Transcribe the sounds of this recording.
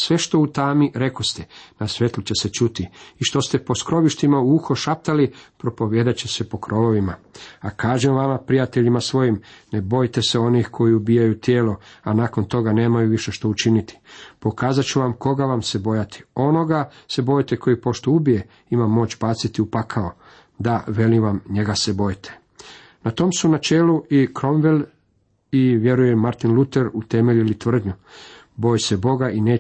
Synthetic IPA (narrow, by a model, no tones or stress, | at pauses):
sʋe̞ʃt̪o̞ut̪aːmiɾe̞ko̞st̪enasʋe̞t̪lˠut͡ɕe̞set͡ʃut̪iiʃt̪o̞st̪e̞po̞skɾo̞ʋiʃt̪imauuxo̞ʃap̚t̪alipɾo̞po̞ʋje̞ːd̪at͡ɕese̞po̞kɾo̞loʋimaakaːʒemʋamapɾijat̪e̞ʎimasʋo̞jimnebo̞jt̪e̞seo̞nixkʰo̞jiubijajut̪jeːlo̞anaːko̞nt̪o̞ɡane̞ːmajuʋiʃe̞ʃt̪o̞ut͡ʃinit̪i̥po̞kaːzat͡ʃuʋamko̞ɡaʋamse̞bo̞jat̪ʰi̥o̞no̞ɡase̞bo̞jt̪e̞kʰo̞jipo̞ʃt̪oubije̞ | imamːo̞ːt͡ɕbaːt̪sit̪iupakʰao | d̪aʋe̞liʋamɲe̞ɡase̞bo̞jt̪ʰe̥ | nat̪o̞ːmsunat͡ʃe̞ːluikɾo̞mʋel | iʋje̞ɾujemaɾt̪inlut̪e̞ɾut̪e̞me̞ʎuilit̪ʋr̩d̪ɲu | bo̞jse̞bo̞ɡaʔine̞ː